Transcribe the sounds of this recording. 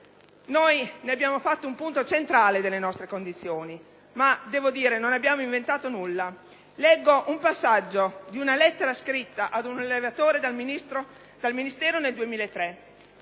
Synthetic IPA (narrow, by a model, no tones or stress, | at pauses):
nojneabːjaːmofat̪ːoumpunt̪ot͡ʃent̪ɾaːled̪elːenɔst̪ɾekond̪it̪sːjoːni | mad̪ɛːvod̪iːɾenonabːjaːmoiɱvent̪aːt̪onulːa | lɛɡːoʔumpasːad͡ʒːod̪iunalɛt̪ːeɾaskɾit̪ːaʔad̪unalːevat̪oːɾed̪alminist̪ɾo | d̪̥alminist̪ɛːɾoneld̪uemiːlaet̪ːɾɛ